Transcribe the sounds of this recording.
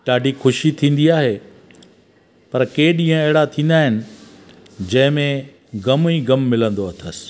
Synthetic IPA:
ɗaːɖʱixʊʃit̪ʰĩːn̆d̪iaːɦeː | pɐɾkeːɗĩːə̃ɐɦɪɽat̪ʰĩːn̆d̪aːɦɪnɪ̆ | d͡ʑɐ̃ɦɪ̃mẽ | ɡɐmĩɡɐmːɪlə̃nd̪oɐt̪ʰəsɪ̥

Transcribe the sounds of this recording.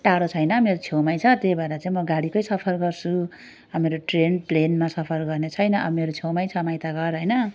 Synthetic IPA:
ʈaɽot͡sʰʌjnʌmeɾot͡sʰewmajt͡sʰʌt̪jejbʱaɾat͡saĩmʌɡaɽikʌjsʌpʰʌrɡʌrt͡sʰu | ʌmeɾoʈrenplenmasʌpʰʌrɡʌrnet͡sʰʌjnʌʔʌbmeɾot͡sʰewmajt͡sʰʌmajt̪aɡʌrɦʌjnʌ

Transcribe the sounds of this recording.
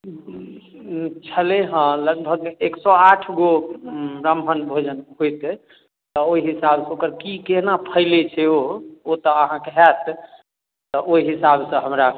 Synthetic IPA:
t͡ʃʰəleɦə̃ləɡbʱəɡeksɔaʈʰɡo | ɾambʱənbʱod͡ʒənɦojt̪ | t̪ɔoiɦisabsə̃okəɾkikenapʰəɪlet͡ʃʰɛoot̪ɔəɦãkeɦɛt̪ | t̪ɔʔoiɦisabsə̃ɦəmɾa

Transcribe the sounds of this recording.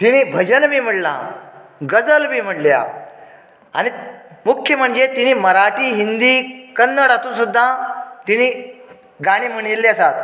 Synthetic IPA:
t̪iniːbʱəd͡ʑənmiːm̤əɽla̰ɡəd͡zəlmiːm̤əʈlja̰ | a̰ɽ̃imukʰjəm̤əɳd͡zet̪iniːməɾaʈiːɦind̪ikənːəɽat̪ũsud̪ːat̪ini | ɡaɽ̃iːm̤əɽ̃elːeəsat̪

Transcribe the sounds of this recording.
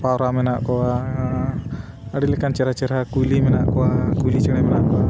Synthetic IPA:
paɾamɛnaʔkowa | aɽilɛkant͡ʃɛɾat͡ʃɛɾakulimɛnaʔkoakulit͡ʃɛnɛmɛnaʔkoa

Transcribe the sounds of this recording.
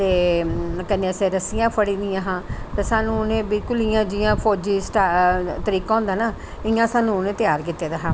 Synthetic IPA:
t̪eːkənẽːəseːɾəsɪjãːpʰəɽiːnd̪ɪjãːɦãːt̪eːsaːnũːnẽːbɪlkʊlɪjãːd͡ʒɪjãːpʰɔːd͡ʒiːsʈaːt̪əɾiːkaːʊ̃nd̪aːnaː | ɪjãːsaːnũːʊnẽːt̪ɪjaːɾk̬iːt̪ːeːd̪aːɦãː

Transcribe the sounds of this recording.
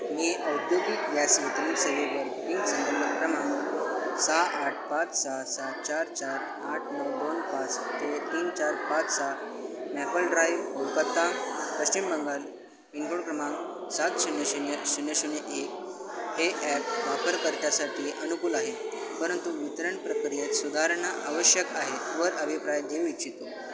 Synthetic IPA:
miʔəwd̪joɡijasʋet̪ɾisəʋiʋəɾpiŋɡsənd̪əmːəkɾəmamusaːʈ̚ʰpat͡ssasat̪̚t͡ɕaɾt͡ɕaɾ | aʈʰnuɡd̪onpat͡st̪et̪iːnt͡ɕaɾpat͡ssa | mɛpəlɖɾajʋoɾkət̪ːãŋp̪əɕt͡ɕimbəŋɡal | ʋiŋkuɳkɾəmãŋsat̪sunjəɕunjəsunjəɕunjeʔek̚ | heʔɛp̚ʋapəɾkəɾt̪jasaʈʰiːʔənukuːlaɦepəɾənt̪uʋit̪ɾəɳpɾəkɾijet̪sud̪ʱaɾəɳaʔaʋəɕjəkaɦet̪ʋəɾəbʱipɾajd̪eʋit͡ɕit̪o

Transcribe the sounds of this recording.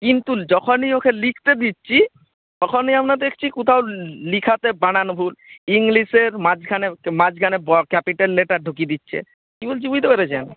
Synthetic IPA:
kint̪ud͡ʑɔkʰoniokʰelikʰt̪ed̪itːɕʰi | t̪ɔkʰoniamɾad̪ekʰt͡ɕʰikut̪ʰawlikʰat̪ebañanbʱuliŋliʃeɾmad͡ʑɡʱanemad͡ʑɡʱanebɔkɛpiʈalːeʈaɖʱukid̪itːɕʰḛ | kibold͡ʑibujd̪ebeɾed͡ʑɛn

